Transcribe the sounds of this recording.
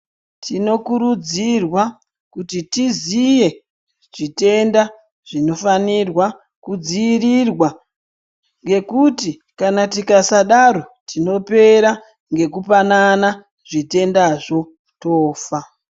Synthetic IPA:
tʰino̞kuɾud͡zirwa | kutitizije̞ | ʐ̥ite̞nda | ʐ̥ino̞fanirwa | kud͡ziːrirwa | ŋɡe̞kuti | kanatikasaɗaɾo̞tino̞pe̞ɾa | ŋɡe̞kupanana | ʐite̞ndaʐo̞ | to̞ːfa

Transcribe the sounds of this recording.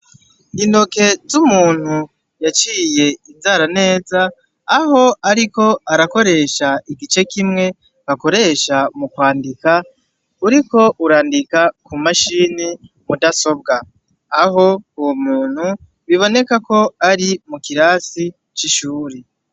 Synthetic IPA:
ino̞ke̞zumuːn̥hu | jat͡ʃiːje̞izaːɾane̞ːzaː | ɦo̞aɾiko̞aɾako̞ɾe̞ʃaiɡit͡ʃe̞kimŋe̞ | βako̞ɾe̞ʃamukwaːndika | uɾiko̞ʔuɾaːndikakʰumaʃiːni | mudaso̞b̚ɡaː | ɦo̞uwomuːn̥hu | βiβo̞ne̞kako̞aɾimukiɾaːsi | t͡ʃiʃuːɾe

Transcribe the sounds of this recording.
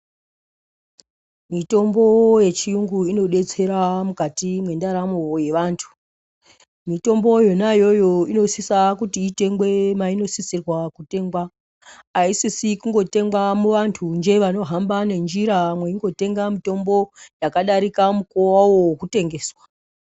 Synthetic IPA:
mito̞mbo̞je̞t͡ʃijuŋɡuino̞ɗe̞t͡se̞ɾamukatimwe̞ndaɾamo̞je̞ʋantʰu̥ | mito̞mbo̞jonajo̞jo̞ino̞sisakutiːte̞ŋɡwe̞maino̞sisirwakute̞ŋɡwa | aisisikuŋɡo̞te̞ŋɡwamuʋantʰund͡ʒe̞ʋano̞ɦambane̞nd͡ʒiɾamweiŋɡo̞te̞ŋɡamito̞mbo̞jakaɗaɾikamuko̞wawo̞okute̞ŋɡe̞ːswḁ

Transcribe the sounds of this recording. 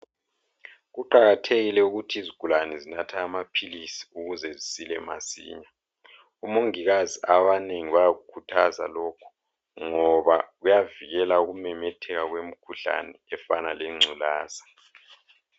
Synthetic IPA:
ɣuǃaɣatʰeɣilɛuɣutʰiiziɡ̥ʱulanɛzinatʰaːmapʰilisi̥uɣuzɛzisilɛma̰sḭːɲa | umoŋiɣaziaβaneŋiβajaɣukʰutʰaza̰lɔkʰɔ̥ | ŋɔβaɣujaviɣɛlauɣumɛmɛtʰɛɣaɣwem̩kʰuɬa̰nɛɛfanaleŋ͡ǀʱulaːzḁ

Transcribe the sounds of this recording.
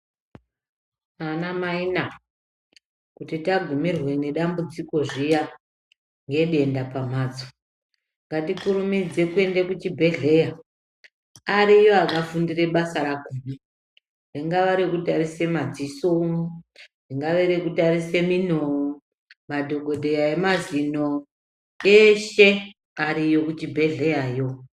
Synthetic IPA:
anamaina | kutitaɡʱumirwe̞ne̞ɗambud͡ziko̞ʐija | ŋɡe̞ɗe̞ndapam̤aːd͡zo̥ | ŋɡatikuɾumid͡ze̞kue̞ndekut͡ʃibʱe̞ɮe̞ja | aɾijoakafundire̞ɓasaɾakune | riŋɡaʋaɾikutarise̞mad͡ziso | diŋɡaʋeɾekutarise̞min̤o | madʱo̞ɡʱo̞dʱe̞jaemazino̞ | eʃe̞ | aɾijo̞kut͡ʃibʱe̞ɮe̞jajo̞

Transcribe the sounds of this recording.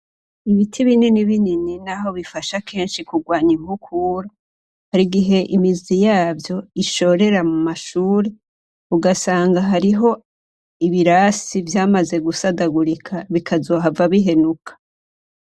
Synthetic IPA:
iβitʰiβininiβinininaɦo̞βifaʃakʰe̞ːnʃikuɡwaːɲiŋukʰuːɾa | haɾiɡiɦe̞ʔimizijaːvjo̞iʃo̞ɾe̞ɾamumaʃuːɾe | uɡasaːŋɡaɦaɾiɦo̞ | iβiɾasivjaːmaze̞ɡusadaɡuɾikʰaβikʰazo̞ːɦavaβiɦe̞nukʰḁ

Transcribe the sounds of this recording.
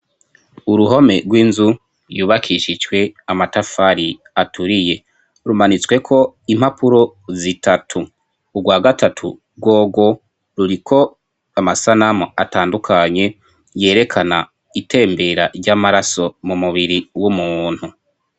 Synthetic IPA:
uɾuɦo̞me̞ɡwiːnzu | ɾjuːβakʰiʃid͡ʒɡwe̞amatafaɾi | atuɾije̞ | ɾumanit͡swe̞kʰo̞im̥hapʰuɾo̞zitʰatʰuː | ɡwaːɡatʰatʰṵ | ɡwo̞ːɡo̞ | ɾuɾikʰo̞ | amasanamoa̰taːndukʰaɲe̞ | je̞ːɾe̞kʰana | itʰe̞ːmbe̞ɾa̰ɾɟamaɾaso̞mumuβiɾiwumuːn̥hu

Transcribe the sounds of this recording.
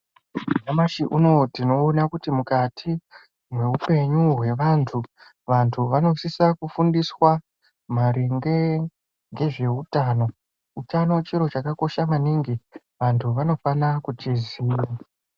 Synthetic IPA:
namaʃiʔuno̞tino̞ːnakutimukatʰi | mwe̞upe̞ɲuɦwe̞ʋantʰu | ʋantʰuʋano̞sisakufundiswa | maɾiŋɡe | ŋɡe̞ʐe̞utaːno̞ | utano̞t͡ʃiɾo̞t͡ʃakako̞ʃamaniŋɡi | ʋantʰuʋano̞fanakut͡ʃiziːra

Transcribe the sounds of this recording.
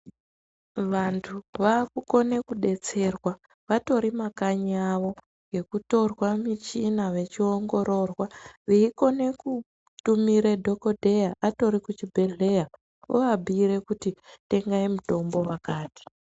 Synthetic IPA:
ʋantʰuʋakuko̞ne̞kuɗe̞t͡se̞rwa | ʋato̞ɾimakaɲiaʋo̞ | ŋɡe̞kuto̞rwamit͡ʃinaʋe̞t͡ʃioŋɡo̞ɾo̞rwaʋiiko̞ne̞ku | tumiɾe̞dʱo̞ko̞dʱe̞jaʔato̞ɾikut͡ʃibʱeɮe̞ja | o̰ʋabʱiːɾe̞kutite̞ŋɡaimuto̞mbo̞wakaːti̥

